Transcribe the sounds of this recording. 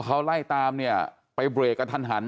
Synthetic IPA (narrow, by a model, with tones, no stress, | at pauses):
kʰa˦˥wla˥˩jt̪aː˧mni˥˩ɐ | pa˧jbɾeː˨˩kːa˧t̪ʰa˧˩nɦa˩˦n